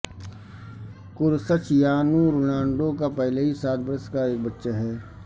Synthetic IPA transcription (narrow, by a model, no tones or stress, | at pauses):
kʊɾsət͡ʃjaːnuɾoːnãːɳɖõkapɛɦleɦisaːt̪̚ʰbəɾəskaeːk̚bətːʃaɦɛː